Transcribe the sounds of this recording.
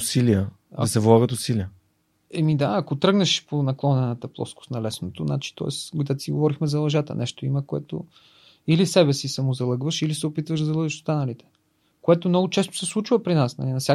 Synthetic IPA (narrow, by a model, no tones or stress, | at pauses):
silijə | dɐ̰ɐsɛvlˠaɡət̪ʊsiliə | ɛmid̪aɐkot̪ɾɤɡnɐʃponɐklˠɔnɛnət̪əplˠɔ̰skʊ̥snɐlɛsnot̪ona̰t͡ʃi̥t̪ɔ̰ɛ̰sd̪at̪siɡo̰vɔɾixmɛzɐlˠɐʒat̪ə̰nʔɛʃt̪oiməkoɛ̰t̪o̰ | ilisɛβɛsisɐmozɐlˠɤɡvəʃilisɛopit̪vəʒd̪zɐlˠɤɡvəʃst̪anɐlit̪ɛ̥ | koɛt̪omnɔɡʊt͡ʃɛso̥sɛslˠut͡ʃvəpɾinasnɐ̰linɐfsʲa